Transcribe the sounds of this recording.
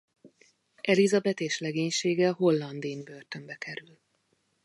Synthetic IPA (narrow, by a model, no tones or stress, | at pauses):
ʔɛlizɒbɛt̪eːʃlɛɡeːɲʃeːɡɛɦo̞lːɒnd̪inbø̞rt̪ø̞mbɛkɛɾyl